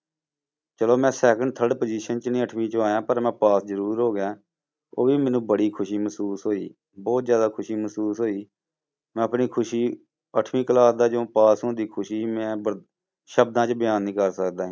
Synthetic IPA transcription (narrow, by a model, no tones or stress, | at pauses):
t͡ʃəloːmɛ̃ːsɛːkə̃ɳɖt̪ʰəɖpəːd͡ʒiːʃənt͡ʃnĩːəʈʰmĩːt͡ʃaːjãːpəɾmɛ̃ːpaːszəɾuːɾɦoːɡãː | oːʋiːmɛ̃ːnũːbəɽiːkʰʊʃiːməsuːsɦoːḭː | bɔːt̪zjaːd̪aːkʰʊʃiːməsuːsɦoːiː | mɛ̃ːəpniːkʰʊʃiː | əʈʰmiːkəlaːd̪aːd͡ʒõːpaːsõːd̪iːkʰʊʃiːmɛ̃ːbə | ʃəbd̪ãːt͡ʃbɪjaːnːĩːkəɾsəkd̪aːɦ